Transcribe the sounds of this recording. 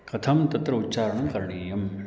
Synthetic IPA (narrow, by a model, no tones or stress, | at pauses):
kɐt̪ʰɐmt̪ɐt̪ɾɐut̪ːt͡ʃaːɾɐɳɐkɐɾɳiːjɐm